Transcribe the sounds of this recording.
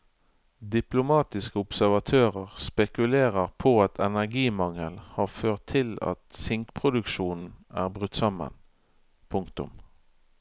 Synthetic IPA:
d̪ɪplʊmɑːt̪ɪskəʊpsæʁʋɑt̪ʰøːʁəʁspɛkʉleːʁəʁpʰoːɑt̪ʰɛnæʁɡiːmɑŋəlhɑːʁføːʁt̪ʰːɪlɑ̰t̪sɪŋkpʰʁʊd̪ʉkʃuːnn̩æ̰ːʁbʁʉt̪ːsɑmə̰n | pʰʊŋkt̪ʊ̰m

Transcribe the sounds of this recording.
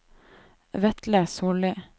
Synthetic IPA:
ʋɛt̪ləsoːɭɪ

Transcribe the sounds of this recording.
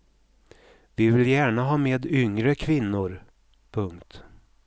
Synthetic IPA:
vɪvɪljæːɳaɦɑːmeːd̪ʏŋɾəkʰvɪnːʊɾ | pʰɵŋkt̪

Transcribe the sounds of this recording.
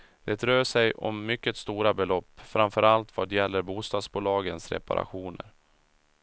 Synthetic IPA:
d̪̥ɛt̪ɾøːʂɛjʔɔ̰mːʏkːət̪st̪uːɾabɛlɔpːfɾamfœɾalt̪vɑːd̪jɛlːəɾbuːst̪ɑːd̪sbuːlɑːɡənsɾɛ̰pa̰ɾa̰ɧuːnə̰ɾ

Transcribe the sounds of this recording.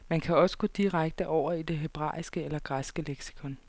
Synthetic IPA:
mænkʰæɒ̽sə̥ɡ̥od̥iʁaɡ̥̚d̥əʔɒʊ̰ɐid̥e̝ɦe̝b̥ʁɑ̰̈ːisɡ̥əelɐɡ̥ʁasɡ̥əleɡ̥si̥kʰɔ̽n

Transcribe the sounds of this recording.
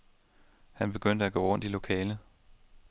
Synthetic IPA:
hænb̥e̝ɡ̥øn̰d̥əæɡ̥o̰ːʁɔ̽n̰d̥ilo̝kʰɛːlə

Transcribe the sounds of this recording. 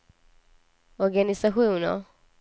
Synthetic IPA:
ɔɾɡanɪsaɧuːnə̰

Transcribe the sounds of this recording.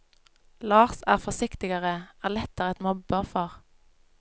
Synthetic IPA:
lɑːʁsæːʁfɔʁsɪkt̪ɪɡəʁəʔæːʁlɛt̪əʁɛt̪mʊbəfɔʁ

